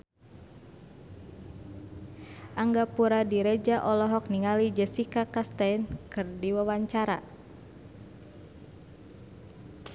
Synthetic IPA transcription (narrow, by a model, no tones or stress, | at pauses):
ʔaŋɡapuɾadiɾed͡ʒaʔɔlɔɦɔk̚niŋalid͡ʒəsikakast̪ajnkɨrdiwawaɲt͡ʃaɾa